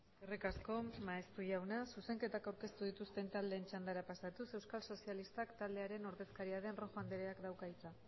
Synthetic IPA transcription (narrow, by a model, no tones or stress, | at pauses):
erikasko̞maest̪uʝawnasuse̞ŋke̞t̪akawɾke̞st̪uð̞it̪ust̪e̞nt̪ald̪e̞ːnt͡ʃand̪aɾapasat̪use̞wskalso̞sialist̪akt̪ald̪e̞aɾe̞no̞ɾðe̞skaɾiaðe̞nro̞ʝoand̪eɾeakd̪awkait͡sa